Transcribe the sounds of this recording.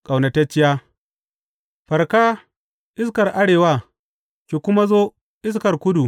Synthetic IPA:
kʼa˨wnɐ˨tɐ˦t͡ʃːɪ˦jaː˦ | ɸɐ˨rkaː˦ | ʔɪ˦s̬kɐ˨rʔa˦ɽeː˨wa˦ | kʲeː˨kʷʊ˦ma˦zoː˦ | ʔɪ˦s̬kɐ˨rkʷʊ˦du˨

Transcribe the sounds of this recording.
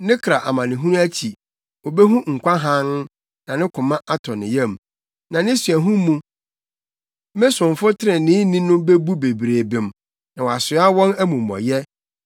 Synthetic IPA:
nɪ̃˦kʰɾa˨ʔa˨mã˨nɪ̃˨ɦũ˦ñ˦æ˦t͡ɕʰi˨ | wo˨be˦ɦũ˦ŋ̩˨kʷa˦ɦã˦n˦ | nã˨nɪ̃˦kʰʊ̃˨mã˦ʔa˦tʰɔ̃˨nɪ̰̃˨jɛ̃˦˨m | nã˨nɪ̃˦sɥæ˨ɦũ˦mũ˦ | mɪ̃˦sʊ̃˨ɱ˨fʊ˦tʰɪ˦ɾɪ̃˨nɪ̃ː˦nĩ˦nʊ̃˦be˦bu˦be˨bɾeː˨bɪ̃˨m | nã˨wɔ˨a˨sʊ˨˦a˦wɔ̃˦næ˦mũ˨mɔ̰̃˨jɛ˦

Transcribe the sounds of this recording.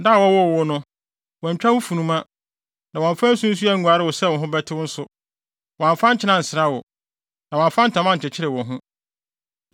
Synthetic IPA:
da˦˨wɔ˦wʊ˦˨wʊ˦nʊ̃˦ | wɔ̃˨ɲ̩˨t͡ɕᶣa˦wʊ˦fu˨nũ˦mã˦ | nã˨wɔ̃˨ɱ˨fã˦n˦sũ˦n̩˦s̬u˦a˦ŋ̩˨u˨a˨ɾɪ˦wʊ˨sɛ˦˨wɔ̃˨ɦʊ̃˦bɛ˦tʰɪ˦wʊ˦n̩˦sʊ˨ | wɔ̃˨ɱ˨fã˦ɲ̩˦t͡ɕʰɪ˦nã˦n̩˨sɪ˨ɾa˦wʊ˨ | nã˨wɔ̃˨m˨fã˦n̩˦tʰã˨mã˦ɲ̩˨t͡ɕʰɪ˨t͡ɕʰɪ˦ɾɪ˨wɔ̃˨ɦʊ̃˦

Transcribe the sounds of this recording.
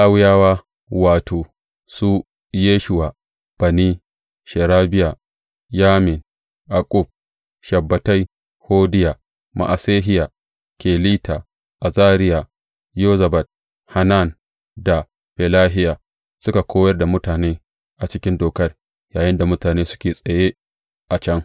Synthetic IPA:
ʔa˦wjaː˦waː˦ | waː˨tʰoː˨ | su˦ | jeː˦ʃʊ˨wa˨ | b̥ɐ˨niː˦ | ʃɛ˨ɾaː˦bɪ˦ja˨ | jaː˦mɪ˨n | ja˨kʼu˦b̚ | ʃɐ˨bːɐ˨ta˦j | hoː˦dɪ˦ja˨ | ma̰˨ʔa˨seː˦ɦɪ˦ja˨ | kʲeː˨liː˦ta˨ | ʔa˨zaː˦ɾɪ˦ja˨ | joː˦zɐ˨bɐ˨t̚ | ha˨na˦˨n | da˨ | ɸɛ˨laː˦ɦɪ˦ja˨ | sʊ˦ka˨kʰʷoː˦jɐ˦rda˨mʊ˦taː˨neː˦ | ʔa˨t͡ʃɪ˦kʲɪ˦ndoː˨kɐ˦r | jaː˨jɪ˦nda˨mʊ˦taː˨neː˦sʊ̥˦kʲeː˨sʼɐ˨jeː˦ | ʔa˨t͡ʃɐ˦ŋ

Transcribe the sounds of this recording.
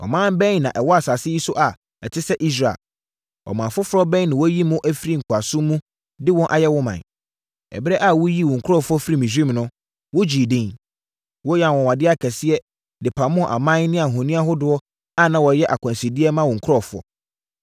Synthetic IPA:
ɔ̰˨mãː˦m˦bɛ̃˦n˦nã̰˨ʔɛ˨wɔ˦a˨sa˨sɪ˦ji˦sʊ˦ʔa˨ | ɛ˨tʰɪ˦sɛ˦ʔi˦s̬ɾa̰˨l | ɔ̰˨mãː˨fʊ˦fʊ˦ɾɔ˦bɛ̃˦nã˨wɔ˦ji˦mʊ̃˦ʔæ˦fi˦ɾi˦˨ŋ̩˨kʰʊ˨a˨sʊ̃˦mũ˦ | dɪ˦wɔ̃˦nʔa˨jɛ˦wɔ̃˦mã̰˨n | ɛ̰˨bɪ˦ɾɛ˦ʔa˨wɔ˦ji˦wɔ̃˨ŋ̩˨kʰʊ˦ɾɔ˦fʊ˦ɔ˦fi˦ɾi˦mĩ˨s̬ĩ˦m˨nʊ̃˦ | wɔ˦d͡ʑi˨dɪ̃˦n | wɔ˦jã˨wɔ̃˨wa˨dɪ˦a˦kʰɛ˨sɪ˦ɛ˦ | dɪ˨pʰã˨mʊ̃˦˨ʔa̰˨mã˦nɪ̃˦a˨ɦɔ̃˨nĩ˦a˦ɦʊ˦dʊ˦ɔ˦ | a˦nã˨wɔ˨jɛ˦ʔa˨kʰã˨nsi˨di˦ɛ˦mã˦wɔ̃˨ŋ̩˨kʰʊ˦ɾɔ˦˨fʊ˦ɔ̰˨

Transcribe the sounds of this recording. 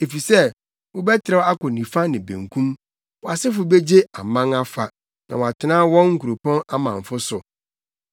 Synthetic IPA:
e˨fi˨sɛ˦ | wʊ˦bɛ˦tʰɪ˨ɾɛ˦a˦kʊ˨nĩ˨fa˦nɪ̃˨bæ̰̃˨ŋkʰũ˦m | wɔ˨a˨sɪ˦fʊ˨be˦d͡ʑe˦a˨mã˦ŋa˦fa˨ | nã˨wa˨tʰɪ˨nãː˦wɔ̃˦ŋŋ̩˨kʰu˨ɾu˨pɔ̃˦na˦mã˨ɱ̩˨fʊ˦sʊ˨

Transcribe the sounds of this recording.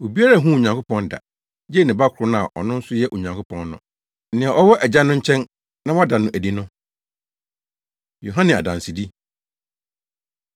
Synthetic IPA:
wo˨bi˦a˦ɾa˨ɦũ˦˨ɲã˨ŋkʰo˦pɔ̃˦nda̰˨ | jɛ˦˨nɪ̃˨ba˦kʰʊ˨ɾʊ˦nã˦a˨ʔɔ̰˨nʊ̃˦n̩˦sʊ˦jɛ˦ʔo˨ɲã˨ŋkʰo˦pʰɔ̃˨nːʊ̰̃˨ | nɪ̃˨a˨ʔɔ˦wɔ˦ʔɛ˨d͡ʑa˦nʊ̃˦ɲ̩˦t͡ɕʰɛ̃˦n | nã˦wɔ˦da˨nʊ̃˨ʔæ˨di˦nʊ̃˦ | jo˨ɦã˦nɪ̃˨a̰˨dã˨n˨si˨di˦

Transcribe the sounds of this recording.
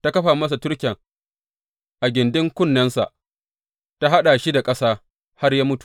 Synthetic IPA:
ta˦kɐ˦ɸaː˨mɐ˦s̬a˨tʊ˦ɽkʲɛ˨ŋ | ʔa˨ɡʲɪ˨ndɪ˦ŋkʷʊ˦˨nːɐ˦nsa̰˨ʔ | ta˦ɦa˦ɗa˨ʃi˦da˨kʼɐ˦saː˦ | ha˦rjaː˦mʊ˦tu̥˨

